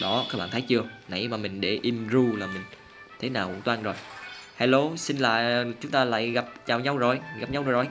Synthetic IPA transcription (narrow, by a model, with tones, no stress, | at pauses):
ɗɔ˨˦ka˨˦k̚ɓa̰ː˧˨nt̪ʰjt͡ɕɨ˧əna̰˧˩jmaː˨˩mï˨˩ŋ̟ɗe˧˩ʔi˧mzu˧laː˨˩mï˨˩ŋ̟ | t̪ʰe˨˦naː˨˩wt̪waː˧nzo˨˩jhaː˧jlo˨˧˩sï˧nla̰ː˧˨jt͡ɕʊ˨˦ŋ͡mt̪aː˧la̰ː˧˨jɣa˨˩p̚t͡ɕaː˨˩wɲa˧wzo˨˩jɣa˨˩p̚ɲa˧wzzo˨˩j